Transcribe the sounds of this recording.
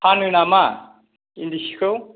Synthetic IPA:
pʰanunama | ind̪isi̥ko

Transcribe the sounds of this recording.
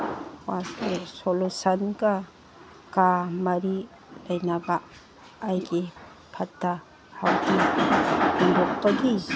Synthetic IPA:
wastesolusɐnɡɐ | kamɐɾi | lɐjnabɐː | jɡi | pʰɐtːɐ | hawɡi | iŋdok̚pɐɡi

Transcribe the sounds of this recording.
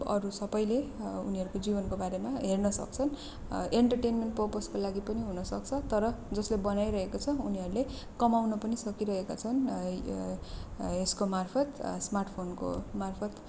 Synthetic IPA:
ʌ̰ɾusʌbʌjleṵniɦʌɾukod͡zibʌnkobaɾemaɦernʌsʌ̰k̚t͡sʰʌn | eɳʈʌrʈenmeɳʈpʌrposkolaɡipʌniɦunʌsʌk̚t͡sʰʌt̪ʌɾʌd͡zʌslebʌnajɾʌɦekot͡sʰʌuniɦʌɾule | kʌmawnʌpʌnisʌkiɾʌɦekat͡sʰʌn | eskomarpʰʌt̪smarʈpʰonko̰marpʰʌt̪

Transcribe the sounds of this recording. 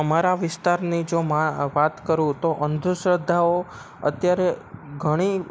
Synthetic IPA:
əmaɾaʋɪst̪aɾnid͡ʒomaʋat̪kəɾũt̪oʔənd̪ʱusɾəd̪ʱːao | ə̰t̪jaɾeɡʱəɽ̃i

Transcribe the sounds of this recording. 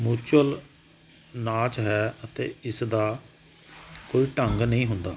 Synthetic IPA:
muːt͡ʃəl | naːt͡ʃɦɛːət̪ḛːɪsd̪aː | koːiːʈəŋɡnəĩːɦʊnd̪aː

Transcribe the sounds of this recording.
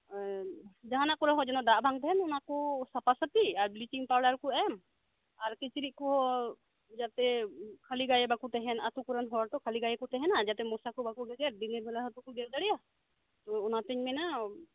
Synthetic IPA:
d͡ʒaɦanakɔɾaɦɔd͡ʒɛnɔd̪aʔbʱaŋt̪ɛɦɛnunakɔsapasət̪iaɾblit͡ʃiŋpaɾlaɾkɔɛm | aɾkit͡ʃiɾit̪̚kɔɦɔ | d͡ʒat̪ɛkʰaliɡajɛbakut̪ɛɦɛnat̪ukuɾanɦɔɾt̪ɔkʰaliɡajɛkɔt̪ɛɦɛnad͡ʒat̪ɛmɔsakɔbakuɡɛɡɛɾd̪iniɾbɛlaɦɔt̪ukɔɡɛɾd̪aɽija | t̪ɔɔnat̪ɛɲmɛna

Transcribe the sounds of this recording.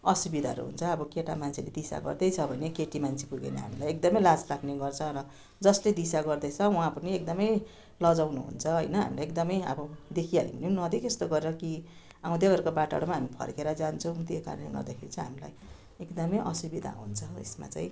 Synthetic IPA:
ʌsubid̪ʱa̰ɾṵɦṵnt͡sʰʌʌbʌkeʈa̰mant͡sʰeled̪isa̰ɡʌ̰rd̪ʌjt͡sʰʌbʱʌnekeʈimant͡sʰi̥puɡḛnʌ̰ɦa̰milajekd̪ʌmʌjlad͡zlaɡneɡʌrt͡sʰʌɾʌ | d͡zʌsled̪isaɡʌrd̪ʌjt͡sʰʌuɦãpʌniek̚d̪ʌmʌj | lʌd͡zawnuɦṵnt͡sʰʌɦʌjnʌɦa̰milajekd̪ʌmʌjʌ̰bʌd̪ekʰialḭbʌnenʌd̪ekest̪oɡʌɾeɾʌki | ãw̃d̪eɡʌɾukobaʈa̰ɽomaɦamipʰʌ̰rkeɾʌd͡zant͡sʰʌ̃w̃ut̪eka̰ɾnḛɡʌ̰rd̪akʰeɾit͡sãɦamila̰j | ekd̪ʌmʌjʔʌsubid̪ʱa̰ɦṵnt͡sʰʌḛsma̰t͡sa̰ĩ

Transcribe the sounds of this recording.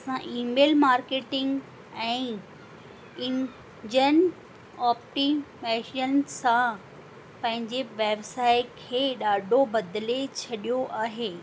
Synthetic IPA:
ɐsãʔiːmeːlmaːɾkeːʈɪ̃ŋɡ | ɛ̃ː | ɪ̃n | d͡ʑən | ɔːpʈimeːʃənsã | pɐ̃ɦɪ̃ɲd͡ʑeʋeːbsaːɪkʰeːɗaːɖʱobɐd̪let͡ɕʰɐɗijoʔaːɦeː

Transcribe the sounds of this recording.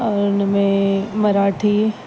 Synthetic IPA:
ɔɾnəmẽmɐɾaːʈʰi

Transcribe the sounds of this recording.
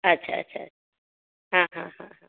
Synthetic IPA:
ɐtːɕʰaɐ̰tːɕʰaɐ̰tːʰa | ɦãɦãɦãɦã

